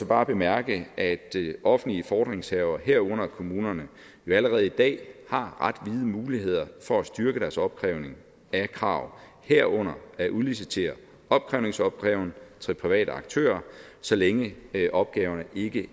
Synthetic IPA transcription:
sɒ̽b̥ɑ̈ːb̥e̝mæɐɡ̥əʔæd̥ʔɒ̽fn̩dliəfɒːd̥ʁeŋshɛʊɐɦeɐ̰ɔ̽n̰ɐkʰo̝muːnɐnə | jo̝æləʁɛːð̞̩ˠid̥ɛ̰ːhɑ̈ʁɑd̥ʋið̞ˠəmuːlihe̝ð̞̰ˠɐfɒ̽æsd̥yɐɡ̥əd̥æɐsɒ̽b̥̚kʰʁɛʊne̝ŋ | ækʰʁɑ̰̈ʊ̰ | heɐ̰ɔ̽n̰ɐæʔuðˠlis̬it͡sʰe̝̰ɐ | ɒ̽b̥̚kʰʁɛʊne̝ŋsɒ̽b̥̚ɡ̥ʁɛːʊn̩t͡sʰʁepʰʁiʋɛ̰ːɾ̥əɑ̈ɡ̥̚t͡sʰø̰ːɐsɒ̽leŋəʔɒ̽b̥̚ɡ̥ɛːʊɐnəʔe̝ɡ̥ə

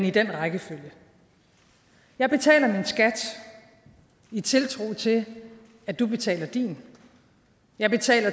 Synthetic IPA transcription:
nid̥en̰ʁɑɡ̥əføljə | jɑ̈ɪb̥e̝t͡sʰɛ̰ːlɐminsɡ̥æd̥ | it͡sʰe̝lt͡sʰʁo̝̰ːt͡sʰe̝ | æd̥ub̥e̝t͡sʰɛ̰ːlɐd̥ḭn | jɑ̈ɪb̥e̝t͡sʰɛ̰ːlɐ

